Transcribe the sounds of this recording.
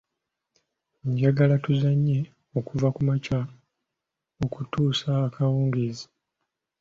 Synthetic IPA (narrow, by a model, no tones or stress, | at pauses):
ɲɟaɡalatuzaɲːe̞ | o̞kuvakumaca | okutuːsaːkʰawuːŋɡizi